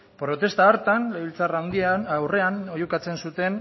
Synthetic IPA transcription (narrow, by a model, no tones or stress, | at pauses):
pɾo̞t̪e̞st̪aoɾt̪anleβilt͡sarawnd̪iawre̞anojukat͡se̞nsut̪e̞n